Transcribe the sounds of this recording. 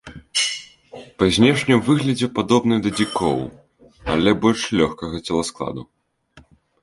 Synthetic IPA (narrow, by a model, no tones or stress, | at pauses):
pɐzʲnʲɛʂnʲɨmvɨɣlʲɐd͡zʲɛpad̪ɔbn̪ɨjd̪ɐd͡zʲikɔ̰w | ɐlʲɛbɔlʲʂlʲɔxkɐɣɐt͡sʲɛlˠasklˠa̰d̪u